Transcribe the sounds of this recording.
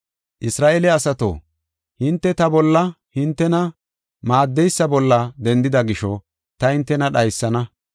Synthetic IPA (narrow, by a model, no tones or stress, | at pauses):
ʔɪsɾaːʔelɛɐsɐt̪o̰ː | hɪnt̪ːɛt̪ɐbɔlːɐ | hɪnt̪ːɛnɐ | maːd̪ːɛjsːɐbɔlːɐd̪ɛnd̪ɪd̪ɐɡɪʃɔ | t̪ɐhɪnt̪ːɛnɐɗɐjsːɐnɐ